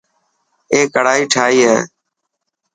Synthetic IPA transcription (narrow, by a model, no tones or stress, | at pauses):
eːkəɽ̤aːiːʈʰaːiːɦɛ̰ː